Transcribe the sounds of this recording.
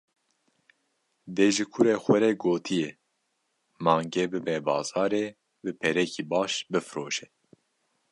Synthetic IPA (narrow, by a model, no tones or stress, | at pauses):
d̪eːʒɨkʰuɾeːxʷɛɾɛɡoːt̪ʰijɛ | mɑːŋɡeːbɨbɛbɑ̰ːz̥ɑːɾeː | bɨpʰɛɾɛkʰiːbɑːʃbɨfɨɾoːʃɛ